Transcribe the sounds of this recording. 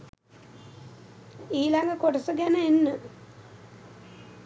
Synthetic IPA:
iːlaŋɡəkoʈəsəɡænəenːə

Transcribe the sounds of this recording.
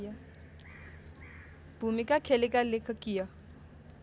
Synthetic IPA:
b̥umikʼakʰɛlɪkʼalɪkʰakʼiːja

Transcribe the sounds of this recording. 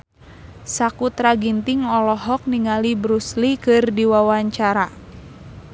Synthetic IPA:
sakut̪ɾaɡint̪iŋɔlɔɦɔk̚niŋalibɾuslikɨrdiwawaɲt͡ʃaɾa

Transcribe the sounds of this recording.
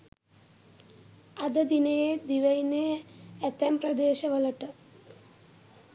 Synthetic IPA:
ɐd̪ɐd̪inejed̪iʋɐjneːt̪empɾɐd̪eːʃɐʋɐlɐʈɐ

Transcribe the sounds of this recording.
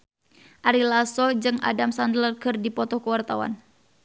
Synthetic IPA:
ʔaɾilasɔd͡ʒɨŋʔa̰damsandlərkɨrdipɔt̪ɔkəwart̪awa̰n

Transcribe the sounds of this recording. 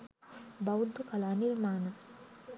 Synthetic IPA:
bɐwd̪ʱukɐlaniɾmaːnɐ

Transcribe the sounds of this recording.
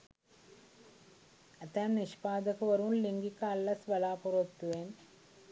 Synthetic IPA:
ɐt̪ːaːmniɕpaːd̪ɐɣɐʋɐɾuːnliŋɡikːaːlːɐsʋɐlaːpurɐt̪ːuʋeːn

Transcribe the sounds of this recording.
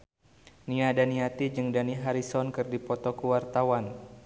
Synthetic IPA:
niadaniɦat̪id͡ʒɨŋdaniɦaɾisɔnkɨrdipɔt̪ɔkuwart̪awan

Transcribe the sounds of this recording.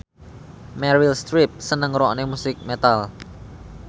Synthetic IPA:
mɛɾilst̪ɾip̚sənəŋɾɔʔnemusɪk̚met̪al

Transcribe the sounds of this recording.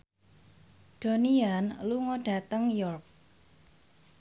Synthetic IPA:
ɖ̥o̤nianluŋɔɖ̥a̤t̪əŋjɔrk̚

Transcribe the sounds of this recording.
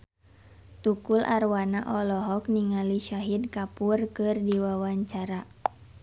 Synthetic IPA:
t̪ukulʔa̰rwanaʔɔlɔɦɔk̚niŋaliʃaɦid̪̚kapurkɨrdiwawaɲt͡ʃaɾa

